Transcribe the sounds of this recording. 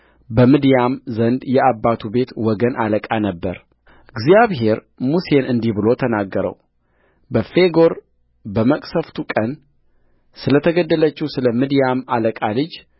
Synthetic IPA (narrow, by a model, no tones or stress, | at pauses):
bəmɨd̪jamzənd̪jɛabːat̪ʰube̞t̪wɔɡənʔaləkʼanəbːəɾ | ɨɡzijaβɦe̞ɾ | muse̞nɨnd̪ihbɨlo̞t̪ʰənaɡːəɾə̰w | bəfe̞ɡo̞ɾ | bəməkʼsəft̪ʰukʼən | sɨlət̪ʰəɡəd̪ːələt͡ʃːɪhusɨləmɨd̪ijamaləkʼalɨd͡ʒ